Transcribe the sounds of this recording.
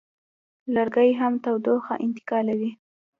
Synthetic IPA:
laɾɡəjɦamt̪awd̪oxa̰ʔɪnt̪ɪ̥kɑlawi

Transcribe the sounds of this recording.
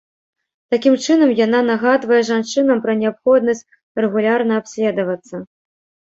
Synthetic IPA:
t̪akʲimt͡ʂɨnɐmjananaɣad̪vɐjɛʐant͡ʂɨnɐmpɾɐnʲɛapxɔd̪̚nɐsʲt͡sʲ | rɛɣulʲarnɐapsʲlʲɛd̪ɐvɐt̪sːɐ

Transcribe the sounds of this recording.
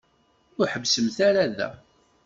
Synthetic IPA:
ʊɾħəvsəmθæɾæðæ̰

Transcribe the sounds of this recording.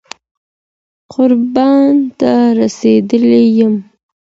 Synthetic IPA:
qʊɾbɑnt̪aɾased̪əlejəm

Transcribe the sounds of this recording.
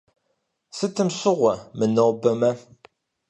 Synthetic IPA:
sət͡sːəmsʊʁamənːəɾˤbːæmæ

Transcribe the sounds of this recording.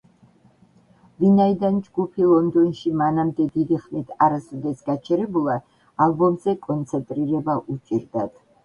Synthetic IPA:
vinaid̪and͡ʒɡupʰilˠɔnd̪ɔnʃimanamd̪ɛd̪id̪iχmit̪ʰaɾasɔd̪ɛsɡat͡ʃʰɛɾɛbulˠa | alˠbɔmzɛkʼɔnt̪sʰɛnt̪ʼɾiɾɛbaʔut͡ʃʼiɾd̪at̪ʰ

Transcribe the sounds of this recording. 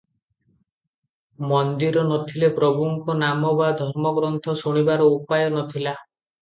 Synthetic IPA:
mɔnd̪iɾɔnɔt̪ʰilepɾɔbʱuŋkɔnamɔbad̪ʱɔɾmɔɡɾɔnt̪ʰɔsuɽ̃ibaɾɔupajɔnɔt̪ʰila

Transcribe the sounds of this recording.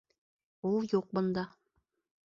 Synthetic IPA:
ulˠjuq̚bɤ̆nd̪ɑ

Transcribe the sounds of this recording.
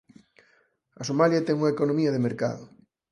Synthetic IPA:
ɐsomaljat̪ɛŋuŋaɐekonomiɐðemeɾka̰ðʊ

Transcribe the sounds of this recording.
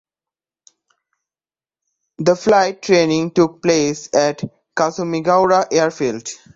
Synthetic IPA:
d̪əflaɪʈ̚ːɾẽːnɪ̃ŋʈuk̚pleːsɛʈ | kasomiɡaʊɾaʔeəɾfiːlɖ

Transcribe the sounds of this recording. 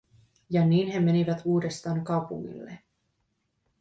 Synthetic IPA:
jɑniːnɦe̞me̞niʋæt̪uːde̞st̪ɑːŋkɑwpṵŋːḭlːḛ

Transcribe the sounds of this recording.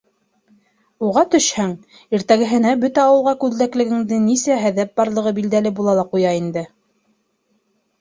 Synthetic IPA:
uʁɑt̪ɵ̆ʃhæŋ | iɾt̪æɡɘ̆ɦɘ̆næbɵt̪æɑwɤ̆lˠʁɑkʉðlæklɘ̆ɡɘ̆ŋd̪ɘnisæɦæðæp̚bɑɾlˠɤ̆ʁɤbild̪ælɘbulˠɑlˠɑqujɑind̪ɘ

